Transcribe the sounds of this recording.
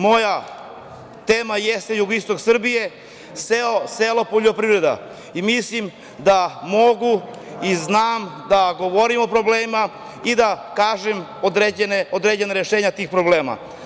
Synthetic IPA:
mo̞ja | t̪eːmajest̪ejuɡoist̪o̞ksr̩bije̞ | seo̞selo̞poʎo̞pɾivɾe̞d̪a̰ | imislim | d̪amo̞ɡu | iznaːmd̪aɡo̞ʋoɾimo̞pɾo̞bleːma | id̪akaːʒem | od̪ɾed͡ʑeneod̪ɾed͡ʑe̞naɾeʃeːɲat̪iːxpɾoble̞ːma̰

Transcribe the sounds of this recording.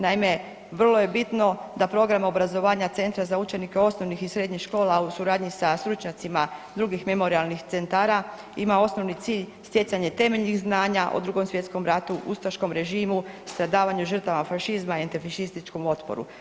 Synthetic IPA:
naime̞ | ʋər̩lˠo̞je̞bit̪no̞d̪apɾo̞ɡɾamo̞bɾazo̞ʋaːɲat̪se̞nt̪ɾazaut͡ʃe̞nike̞o̞sno̞ʋnixisɾe̞d̪ɲixʃko̞ːlausuɾaːd̪ɲisast̪ɾut͡ʃɲat̪simad̪ɾuɡixme̞mo̞ɾialnixt̪se̞nt̪aːɾa | imao̞sno̞ʋnit̪iːʎst̪je̞saɲe̞t̪e̞me̞ʎnixznaːɲaʔo̰d̪ɾuɡo̞msʋjet̪sko̞mɾat̪uʔṵst̪aʃko̞mɾe̞ʒiːmust̪ɾad̪aːʋaɲuʒər̩t̪aʋafaʃizmaient̪ifaʃist̪it͡ʃko̞mo̞t̪po̰ɾṵ

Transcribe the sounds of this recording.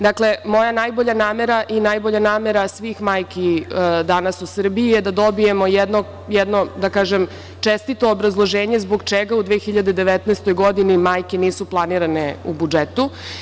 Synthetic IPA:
d̪akle̞mo̞janajbo̞ʎanaːmeɾaʔinajboʎanaːme̞ɾasʋiːxmaːjkid̪anasusr̩biijed̪ad̪o̞bije̞mo̞jɛd̪no | jɛd̪no̞d̪akaːʒem | t͡ʃest̪it̪oːbɾazlˠoʒeːɲe̞zboɡt͡ʃeɡaud̪ʋexiʎad̪ed̪e̞ʋet̪nɛːst̪ojɡo̞d̪inimajkeniːsuplˠaniːɾaneṵbud͡ʒet̪u

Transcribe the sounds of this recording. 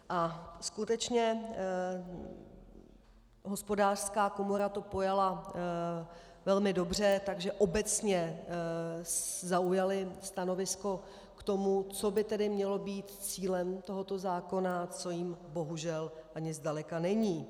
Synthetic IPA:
ʔaskut̪ɛt͡ʃɲɛ | ɦo̞spo̞daːr̥skaːko̞moɾat̪o̞po̞jala | vɛlmɪdo̞br̝ɛt̪aɡʒɛʔo̞bɛt͡sɲɛ | zaujalɪst̪ano̞vɪsko̞ | kt̪o̞mut͡so̞bɪt̪ɛdɪmɲɛlo̞biːt̪t͡siːlɛmt̪o̞ɦot̪o̞zaːko̞nat͡so̞jimbo̞ɦuʒɛlʔaɲɪzdalɛkanɛɲiː

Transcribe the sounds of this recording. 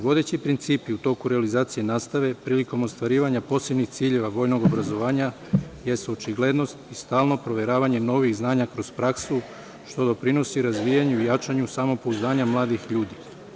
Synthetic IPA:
ʋo̞d̪et͡ɕipɾint̪siːpiut̪o̞ːkuɾealizaːt̪sije̞naːst̪aʋe̞pɾiːliko̞mo̞st̪ʋaɾiːʋaɲapo̞se̞bnixt̪siːʎe̞ʋaʋo̞ːjno̞ɡo̞bɾazo̞ʋaːɲa | jest̪ot͡ʃiɡle̞d̪no̞st̪ist̪aːlˠno̞pɾo̞ʋje̞ɾaːʋaɲe̞no̞ʋixznaːɲakɾo̞zpɾaksu | ʃt̪o̞d̪o̞pɾino̞siɾazʋijaɲuijat͡ʃaɲusamo̞po̞uznaːɲamlˠaːd̪ixʎuːd̪i

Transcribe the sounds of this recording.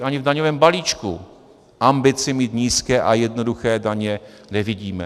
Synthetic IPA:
ʔaɲɪvdaɲovɛːmbaliːt͡ʃkṵ | ʔambɪt͡sɪmiːt̪ɲiːskɛːʔajɛdno̞duxɛːdaɲɛ | nɛvɪɟiːmɛ̰

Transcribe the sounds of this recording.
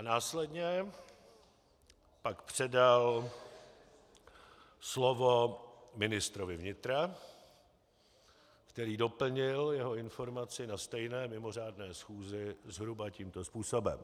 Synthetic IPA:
ʔanaːslɛdɲɛ | pakpr̝̥ɛdal | slovomɪnɪst̪ɾovɪvɲɪt̪ɾa | kt̪ɛɾiːdo̞pl̩ɲɪljɛɦo̞ɪnfo̞ɾmat͡sɪnast̪ɛjnɛːmɪmo̞r̝aːdnɛːsxuːzɪzɦɾubaciːmt̪o̞spuːsobɛ̰m

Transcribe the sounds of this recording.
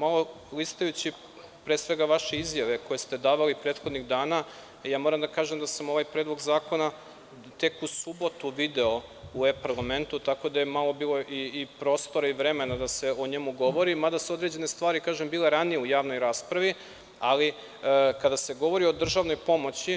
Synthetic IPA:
malˠo̞ | list̪ajut͡ɕi | pɾeːsʋe̞ɡaʋaʃe̞izjaʋe̞ko̞jest̪e̞d̪aːʋalipɾeːt̪xod̪niɣd̪aːna | jaːmo̞ɾamd̪akaːʒemd̪asamo̞ʋajpɾeːd̪lˠo̞ɡzaːko̞na | t̪e̞kusubo̞t̪uʋid̪eo̞uepaɾlˠame̞nt̪ut̪ako̞d̪ajemalˠo̞biːlˠo̞ʔiːpɾo̞ːst̪o̞ɾaiʋɾe̞me̞nad̪ase̞o̞ɲe̞muɡo̞ʋo̞ɾimad̪asuo̞d̪ɾe̞d͡ʑe̞ne̞st̪ʋaːɾikaːʒembiːle̞ɾanijeujaːʋno̞jɾaːspɾaʋi | ali | kad̪ase̞ɡo̞ʋo̞ɾio̞d̪r̩ʒaːʋno̞jpo̞mo̞t͡ɕi

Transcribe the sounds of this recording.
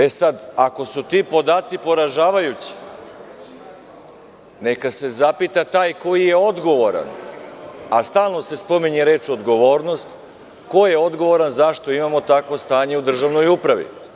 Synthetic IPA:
e̞sad̪ako̞sut̪iːpo̞d̪aːt̪sipo̞ɾaʒaːʋajut͡ɕi̥ | ne̞kase̞zapit̪at̪aːjko̞jije̞o̞d̪ɡo̞ʋo̞ɾa̰n | ast̪aːlˠno̞se̞spo̞miɲeɾeːt͡ʃo̞d̪ɡo̞ʋo̞ːɾno̞st̪ | ko̞jeo̞d̪ɡo̞ʋo̞ɾanzaʃt̪o̞imamo̞t̪akʋo̞st̪aːɲe̞ud̪r̩ʒaʋno̞jupɾaʋḭ

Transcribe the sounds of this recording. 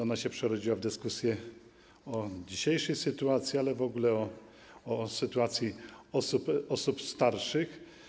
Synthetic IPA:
ɔnaɕɛpʂɛɾɔd͡ʑiwavd̪ɘskusʲjɛ | ɔd͡ʑiɕejʂɛjsɘt̪uat̪sʲjialɛvɔɡulɛɔ | ɔsɘt̪uat̪sʲjiɔsupɔsupst̪aɾʂɘx

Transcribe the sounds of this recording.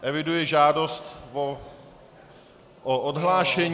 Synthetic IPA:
ʔɛvɪdujɛʒaːdost̪v | ʔoʔodɦlaːʃɛɲ

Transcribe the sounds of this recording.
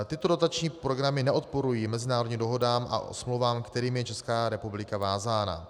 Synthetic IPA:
t̪ɪt̪o̞dot̪at͡ʃɲiːpɾo̞ɡɾamɪnɛʔo̞t̪̚po̞ɾujiːmɛzɪnaːɾodɲiːmdo̞ɦo̞daːmʔa̰ʔo̰smlowvaːmkt̪ɛɾiːmjɛt͡ʃɛskaːɾɛpublɪkavaːzaːna̰

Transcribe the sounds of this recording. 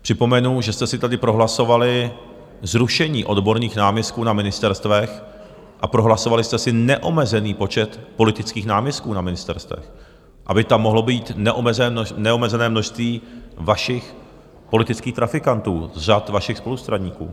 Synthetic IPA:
pr̝̥ɪpo̞mɛnuʒɛst̪ɛsɪt̪adɪpɾo̞ɦlaso̞valɪɪ | zɾuʃɛɲiːʔo̞dbo̞ɾniːxnaːmjɛst̪kuːnamɪnɪst̪ɛɾst̪vɛx | ʔapɾo̞ɦlasovalɪst̪ɛsɪnɛʔo̞mɛzɛniːpo̞t͡ʃɛt̪po̞lɪt̪ɪt͡skiːxnaːmjɛst̪̚kuːnamɪnɪst̪ɛ̰ɾst̪vɛ̰x | ʔabɪt̪amːo̞ɦlo̞biːt̪nɛʔomɛzɛnɛomɛzɛnɛːmno̞ʃst̪viːvaʃɪx | po̞lɪt̪ɪt͡skiːxt̪ɾafɪkant̪uːzr̝at̪vaʃɪxspo̞lust̪ɾaɲiːkṵː

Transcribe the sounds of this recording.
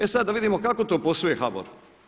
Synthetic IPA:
esad̪ːaʋid̪imokakot̪oːpo̞sojexabo̰ɾ

